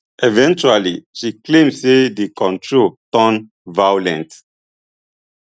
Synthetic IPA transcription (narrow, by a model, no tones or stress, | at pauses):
ʔevɛ̃nt͡ʃualiʃiklẽmsedikɔ̃ntʰɹotɔ̃n | vaulɛ̃nt